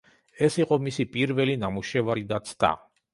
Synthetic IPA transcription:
ɛsiqʼɔmisipʼiɾvɛlinamuʃɛvaɾid̪at̪sʰt̪ʰʼa̰

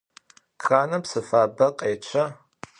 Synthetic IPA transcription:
kxaːnɐpsɨfaːbɐqʼeːt͡ʃʷʰɐ

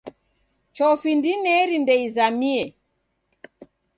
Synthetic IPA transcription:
t͡ʃɔfindinɛɾindɛizamiɛ

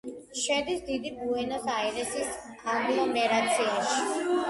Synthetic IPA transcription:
ʃɛd̪isd̪id̪ibuɛnɔsaiɾɛsis | ad̪iɔmɛɾat̪sʰiaʃi̥

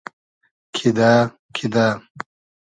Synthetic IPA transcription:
kʰid̪a | kʰid̪a

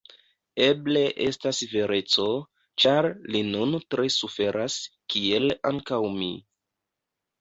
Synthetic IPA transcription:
e̞ble̞ʔe̞̰stasve̞ɾe̞t͡so̞ | t͡ʃaɾlinuntɾe̞sufe̞ɾʔaskie̞laŋkawmḭ

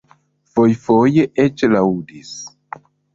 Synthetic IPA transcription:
fo̞jfo̞jeʔet͡ʃlaudis

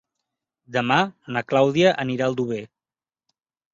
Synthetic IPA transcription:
d̪əmanəklawðiəʔəniɾaəlˠd̪uβe

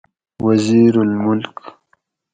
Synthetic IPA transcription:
waziːɾʊlmʊlk

